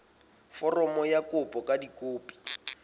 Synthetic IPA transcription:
fɔrɔmɔjakʼʊpʼɔkʼadikʼoːpʼi̥

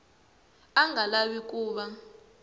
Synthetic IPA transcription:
aŋʱalawik̬ʼuːɓa

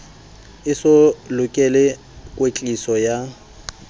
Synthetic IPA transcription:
ɪsʊlʊkʼɛlɛ | kʼwet͡ɬʼisɔja

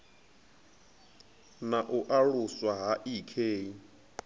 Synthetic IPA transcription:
naʔuʔaɺuswaɦaʔikʰeːi

